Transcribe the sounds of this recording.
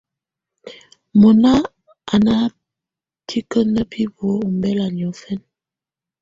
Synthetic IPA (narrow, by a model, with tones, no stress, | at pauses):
mɔ˨na˦ | a˨na˦ | tʰi˦kə˦nə˦pʰi˦bo˨˦u˨mbɛ˦la˨ni˨ɔ˨˦fɛ˦n